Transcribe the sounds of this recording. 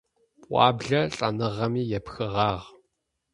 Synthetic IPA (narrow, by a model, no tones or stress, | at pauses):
pʼʷɑ̰ːbɮɐɬʼɐnɨʁɐmiːjɛpxɨʁɑːʁ